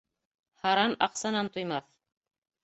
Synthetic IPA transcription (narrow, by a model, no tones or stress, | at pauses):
hɑɾɑnɑqsɑnɑnt̪ujmɑθ